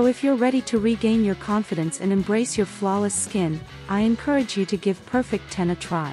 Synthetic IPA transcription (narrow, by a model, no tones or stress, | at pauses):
oʊɨfjə˞ɹɛɾiɾɨɹiɡẽɪ̃njə˞kʰɑ̃ɱfɨɾɨ̃nsɨ̃nɨ̃mbɹeɪsjə˞flɔlˠəskɪ̃n | ʔaɪɨ̃nkʰɜ˞ɨd͡ʒjɨɾɨɡɪv̥pʰɜ˞fɪk̚tʰɛ̃nɨtʰɹ̥aɪ